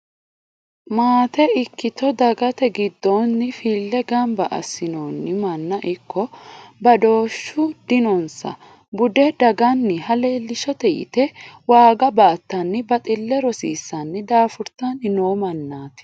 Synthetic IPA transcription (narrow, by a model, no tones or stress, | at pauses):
maːt̪ɛɪkːɪt̪ɔd̪ɐɡɐt̪ɛɡɪd̪ːonːɪfiːlːɛɡɐmbɐʔɐ̰sːɪnoːnːɪmɐnːɐʔɪkːɔbɐd̪o̞ːʃːʊd̪ɪnɔnsɐ̰ | bʊd̪ɛd̪ɐɡɐnːɪɦɐle̞ːlːɪʃɔt̪ɛjɪ̰t̪ɛwaːɡɐbaːt̪ːɐnːɪbɐt̪ʼɪlːɛɾɔsiːsːɐnːɪd̪aːfʊɾt̪ːanɪnoːmɐnːaːt̪ɪ̥